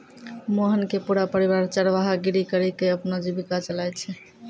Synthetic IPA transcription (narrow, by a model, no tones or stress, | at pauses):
moɦənkepuɾapəɾiβaɾt͡ʃəɾʋaɦaɡiɾikəɾikeəpnod͡ʒibikat͡ʃəlajt͡ʃʰɛ